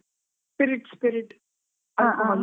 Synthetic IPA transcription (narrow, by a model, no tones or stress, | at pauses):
spɪɾɪʈspɪɾɪʈ | ãʔ